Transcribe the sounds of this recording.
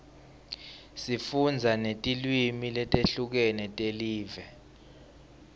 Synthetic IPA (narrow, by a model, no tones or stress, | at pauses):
sifund͡zʱanetʼilwimilɛtʼeɬuk̬ɛnɛtʼeliːvɛ